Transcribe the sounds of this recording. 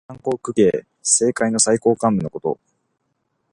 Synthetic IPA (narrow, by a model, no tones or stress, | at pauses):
ãŋko̞ːkɯ̟ke̞ː | se̞ːkaino̞saiko̞ːkãmbɯ̟no̞ko̞t̪o̞̰